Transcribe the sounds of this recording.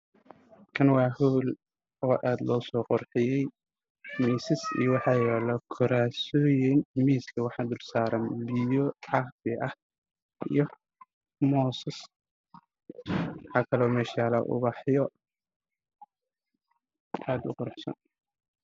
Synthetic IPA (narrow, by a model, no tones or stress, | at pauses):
kʰɐnwɑːhuːl | ʔɔːʔaːd̪lɔːsɔːqɔrħɪjɛj | miːsɪsḭjɔwɑħɑːjɛːlɐkʰɔɾaːsɔːjɛnmiːskʰɐwɑħɑd̪ʊrsaːɾɐnbijɔʕɑqb̪ɪʔɐh | ḭjɔ | mɔːsɐs | wɑħɑːkʰɐlɔːmɛːʃaːlɐ̰ʔʊ̰bɑħjɔ | ʔaːd̪ʊ̰qɔrħsɐ̰n